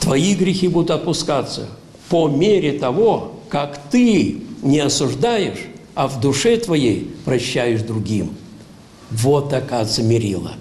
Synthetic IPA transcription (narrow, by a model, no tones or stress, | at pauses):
t̪vɐiɡɾʲɪxʲibud̪ʊt̪ɐt̪̚pʊskat̪sːə̰ | pomʲeɾʲɪt̪ɐvokakt̪ɨnʲɪɐsʊʐd̪ajɪʂɐvd̪ʊʂɛt̪vɐjejpɾɐɕːæjɪʂd̪ɾʊɡʲim | vot̪ːɐkazəmʲɪɾʲilˠə̰